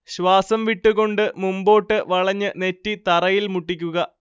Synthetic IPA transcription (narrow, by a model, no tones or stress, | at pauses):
ɕʋaːsɐmʋiʈːuɣo̞ɳɖɨmumbo̞ːʈːɨʋɐɭɐɲːɨne̞tːit̪ɐrɐjilmuʈːikʲːuɣɐ